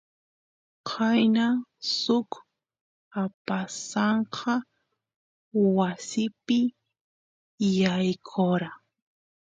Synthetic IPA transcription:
qʰajnasʊk | apasɑɴqʰɑ | wasɪpɪ | jajkʰoɾa

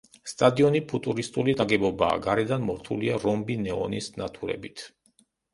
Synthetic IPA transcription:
st̪ʼad̪iɔnipʰut̪ʼuɾist̪ʼulid̪aɡɛbɔba̰ːɡaɾɛd̪anmɔɾt̪ʰuliaɾɔmbinɛɔnisnat̪ʰuɾɛ̰bit̪ʰ

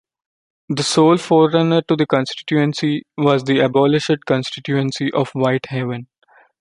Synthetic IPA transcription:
d̪əsoːlfɔːɾənəɾʈud̪əkɔ̃nsʈɪ̥ʈjuə̃nsiʋɔːzd̪iəbɔːlɪʃɖ̚kɔ̃nsʈɪʈjuə̃nsiʔɔːfʋaɪʈhɛʋə̃n

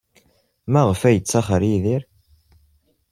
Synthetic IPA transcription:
mæʁəfæjət͡sːɑχəɾiðiɾ

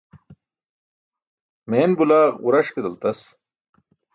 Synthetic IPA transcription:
meːnbulaːʁṵɾɐʂked̪ɐlt̪ɐs

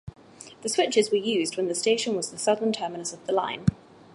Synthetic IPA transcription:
ðəswɪt͡ʃɪzwəjʉːzd̚wə̃nðəsteɪʃə̃nwɒzðəsʌdən̩tʰɜːmɪnəsəvðəlã̰ɪ̃n

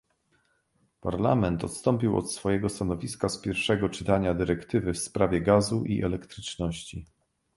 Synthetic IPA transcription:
paɾla̰mɛnt̪ɔ̰t̪st̪ɔmpʲiwɔ̰t̪sfɔjɛɡɔst̪anɔvʲiskaspʲjɛɾfʂɛɡɔt͡ʂɘ̥t̪aɲad̪ɘɾɛkt̪ɘvɘfspɾavʲjɛɡazuʔḭʔɛlɛkt̪ɾɘt͡ʂnɔɕt͡ɕi

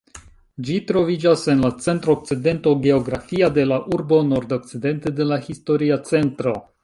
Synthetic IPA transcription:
d͡ʒitɾo̞vid͡ʒase̞nlat͡se̞ntɾoːk̚t͡side̞nto̞ɡe̞o̞ɡɾafiade̞laʔuɾbo̞no̞ɾdo̞k̚t͡side̞nte̞de̞lahisto̞ɾiat͡se̞ntɾo̞

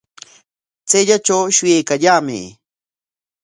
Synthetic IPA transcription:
t͡seʎat͡ʃawʃʊjajkaʎaːmɪ̰

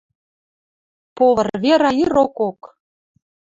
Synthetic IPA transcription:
poβə̆rβeɾɑjiɾokok

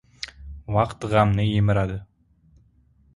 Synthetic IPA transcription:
wɑqt̪ʁɑmnəjemɘɾɑd̪ə

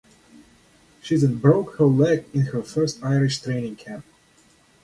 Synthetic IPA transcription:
ʃizɨ̃nbɹoʊkhə˞lɛkɪ̃nhə˞fɜ˞staɪɹɪʃtʰɹẽɪ̃nɪ̃ŋkʰæ̃mp̚

